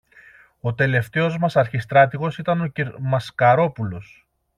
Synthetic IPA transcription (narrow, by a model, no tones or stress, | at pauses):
o̞t̪e̞le̞ft̪e̞o̞zmɐsɐɾçist̪ɾɐt̪iɣo̞sit̪ɐno̞ciɾmɐskɐɾo̞pulo̞s